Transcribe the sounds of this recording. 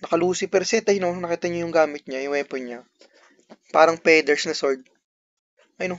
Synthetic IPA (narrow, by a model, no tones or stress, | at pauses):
nɐkɐluːsɪpɛɾsɛt̪ɐjnonɐkiːt̪ɐɲojʊŋɡaːmɪt̪̚ɲajʊŋʔɛːponɲa | paːɾɐŋpɛːd̪ɛɹsnɐsoɹd̪̚ | ʔɐjno